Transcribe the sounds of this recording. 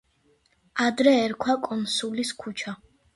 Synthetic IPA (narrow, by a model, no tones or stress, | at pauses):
ad̪ɾɛːɾkʰwakʼɔnsuliskʰut͡ʃʰa